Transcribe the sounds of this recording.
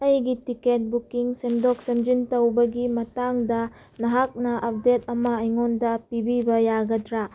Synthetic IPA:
ɐjɡitiket̚bukiŋsemdɔk̚semd͡ʒintɐwbɐɡimɐtaŋdɐ | nɐɦak̚nɐʔɐp̚det̚ɐmɐɐjŋondɐpibibɐjaɡɐtɾa

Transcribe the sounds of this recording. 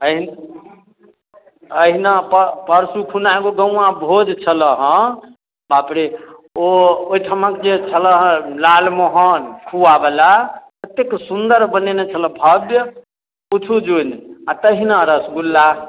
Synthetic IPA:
əɦin | əɦinappəɾsukʰunaeɡoɡə̃abʱod͡ʒt͡ʃʰələɦə̃ | bapɾeooiʈ̪ʰəmãkd͡ʒet͡ʃʰələɦə̃lalmoɦənkʰuabelapət̪ːeksund̪əɾbənenet͡ʃʰələ̃bʱəbjə | ut͡ʃʰud͡ʒunat̪əɦinaɾəsɡulːa

